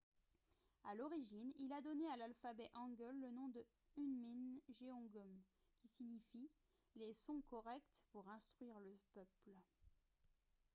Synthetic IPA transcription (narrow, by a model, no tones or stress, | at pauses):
alɔʁiʒinilad̪ɔnealalfabɛʔɑ̃ɡœlːənɔ̃d̪ə | ynminʒeɔ̃ɡɔm | kʲisiɲifi | lesɔ̃kɔʁɛk̚t̪puʁɛ̃st̪χɥiʁləpœpl